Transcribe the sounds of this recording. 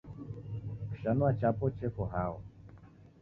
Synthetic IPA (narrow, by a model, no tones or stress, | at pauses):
kʃanwat͡ʃapɔt͡ʃekɔɦawɔ